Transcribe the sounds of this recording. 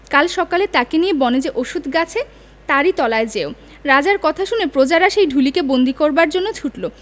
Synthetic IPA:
kalʃɔkalet̪akeniebɔned͡ʑeʔoʃud̪ʱɡat͡ɕʰe | t̪aɾit̪ɔlaed͡ʑeo | ɾad͡ʑaɾkɔt̪ʰaʃunepɾod͡ʑaɾaʃejɖʱulikebond̪ʱikoɾbaɾd͡ʑonːot͡ɕʰuʈlo

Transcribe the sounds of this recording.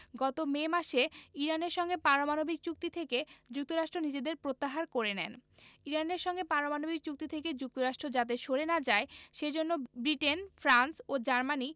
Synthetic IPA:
ɡɔt̪omemaʃeiɾaneɾʃɔŋɡepaɾomanobik̚t͡ɕuk̚t̪it̪ʰeked͡ʑuk̚t̪oɾaʃʈɾonid͡ʑed̪eɾpɾot̪ːaɦaɾkoɾenɛ̰niɾaneɾʃɔŋɡepaɾomanobik̚t͡ɕuk̚t̪it̪ʰeked͡ʑuk̚t̪oɾaʃʈɾod͡ʑat̪̬eʃoɾenad͡ʑaeʃed͡ʑonːobɾiʈenfɾansod͡ʑaɾmani

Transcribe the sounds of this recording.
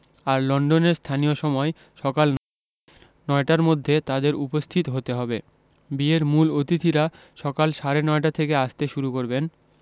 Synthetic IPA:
aɾlɔɳɖoneɾst̪ʰanijoʃɔmɔe | ʃɔkaln | nɔeʈaɾmod̪ʱːet̪ad̪eɾupost̪ʰit̪oɦot̪eɦɔbe | bieɾmulot̪it̪ʰiɾa | ʃɔkalʃaɾenɔeʈat̪ʰekeaʃt̪eʃuɾukoɾben

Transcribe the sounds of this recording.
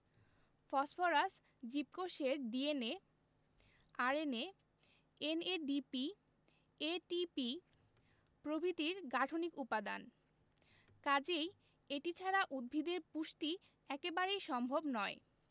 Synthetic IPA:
fɔsfoɾas | d͡ʑip̚koʃeɾɖiene | aɾene | eneɖipi | eʈipi | pɾobʱit̪iɾɡaʈʰonikupad̪a̰n | kad͡ʑej | eʈit͡ɕʰaɾaʔud̪̚bʱid̪eɾpuʃʈi | ɛkebaɾejʃɔmbʱobnɔe

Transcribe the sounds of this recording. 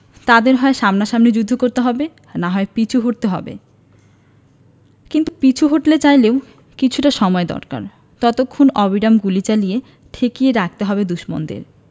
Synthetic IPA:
t̪ad̪eɾɦɔeʃamnaʃamned͡ʑud̪ʱːokoɾt̪eɦɔbe | naɦɔepit͡ɕʰuɦoʈ̚t̪eɦɔbḛ | kint̪upit͡ɕʰuɦoʈlet͡ɕajleow | kit͡ɕʰuʈaʃɔmɔed̪ɔ̰ɾka̰ɾ | t̪ɔt̪okʰːonɔbiɖamɡulit͡ɕalije | t̪ʰekijeɾak̚ʰt̪eɦɔbed̪uʃmo̰nd̪ḛɾ

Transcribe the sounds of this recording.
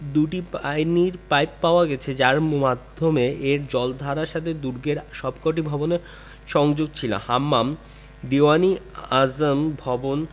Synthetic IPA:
d̪uʈiajniɾpajpːaoaɡɛt͡ɕʰed͡ʑaɾmad̪ʱːomeʔeɾd͡ʑɔld̪ʱaɾaɾʃat̪ʰed̪uɾɡeɾʃɔbkoʈ̬ibʱɔbone | ʃɔŋd͡ʑoɡ̚t͡ɕʰila̰hamːam | d̪ewaniazmbʱɔbon

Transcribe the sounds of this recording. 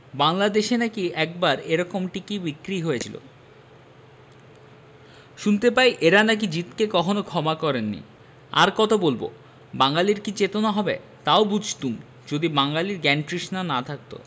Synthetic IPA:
baŋlad̪eʃenakiɛk̚baɾeɾɔkomʈikibikɾiɦojet͡ɕʰilo̰ | ʃunt̪epajʔeɾanak̬id͡ʑit̪kekɔkʰonokʰɔmakɔɾenːḭ | a̰ɾkɔt̪ʰobolbo̰ | baŋaliɾkit͡ɕet̪onaɦɔbḛ | t̪aobud͡ʑʱt̪um | d͡ʑod̪ibaŋlaliɾɡɛnʈɾiʃnanat̪ʰak̚t̪o̰

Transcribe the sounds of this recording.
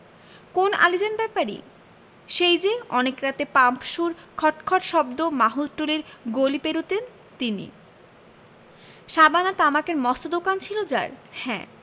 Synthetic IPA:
kona̰lid͡ʑenbɛpaɾḭ | ʃejd͡ʑeɔnekɾat̪epampʃuɾkʰɔʈkʰɔʈʃɔbd̪omaɦuzʈuliɾɡolipeɾut̪en | t̪inḭ | ʃabanat̪amakeɾmɔst̪od̪okant͡ɕʰilod͡ʑa̰ɾhɛ̰̃

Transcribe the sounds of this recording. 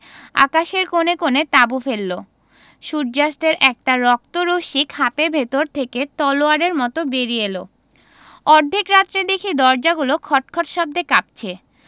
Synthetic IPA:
a̰kaʃeɾkonekonet̪abufelːo | ʃuɾ̚d͡ʑast̪eɾʔɛk̚ʈaɾɔk̚t̪oɾoʃikʰapebʱet̪oɾt̪ʰeket̪ɔloaɾeɾmɔt̪obeɾijelo | ɔɾd̪ʱikɾat̪ːɾed̪ekʰid̪ɔɾd͡ʑaɡulokʰɔʈ̚kʰɔʈʃɔb̚d̪ekap̚t͡ɕʰe

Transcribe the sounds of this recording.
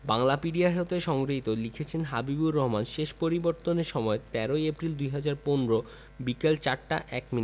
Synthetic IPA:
baŋlapiɖiaɦeot̪eʃɔŋɡɾoɦit̪olikʰet͡ɕʰenɦabibuɾːɔɦomanʃeʃpoɾiboɾt̪oneɾʃɔmɔet̪ɛɾojepɾild̪ujɦad͡ʑaɾponɾo | bikelt͡ɕaɾʈa̰ʔɛkmini

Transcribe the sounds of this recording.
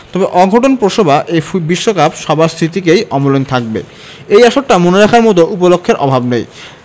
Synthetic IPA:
t̪ɔbeʔɔɡʱoʈonpɾoʃobʱaʔebiʃːokapʃɔbʱast̪ʰit̪ikejʔɔmolont̪ʰak̚bḛ | ejaʃoʈːamoneɾakʰaɾmɔt̪̬oʔupolokʰːeɾʔɔbʱabnej

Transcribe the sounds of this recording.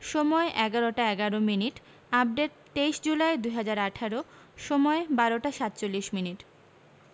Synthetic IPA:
ʃɔmɔeʔɛɡaɾoʈaɛɡaɾominiʈ | ab̚ɖeʈ̚ | t̪ejʃd͡ʑulaed̪ujɦad͡ʑaɾaʈʰaɾo | ʃɔmɔebaɾoʈaʃat̪̚t͡ɕolːiʃminiʈ

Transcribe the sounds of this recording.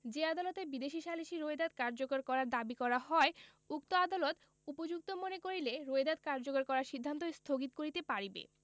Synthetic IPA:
d͡ʑead̪alot̪ebid̪eʃiʃaliʃiɾoed̪ad̪̚kaɾd͡ʑokoɾkɔɾaɾd̪abikɔɾaɦɔe | uk̚t̪oad̪alot̪ | upod͡ʑuk̚t̪omonekoɾileɾoed̪ad̪̚kaɾd͡ʑokoɾkɔɾaɾʃid̪ʱːant̪oest̪ʰoɡit̪̚koɾit̪epaɾibḛ

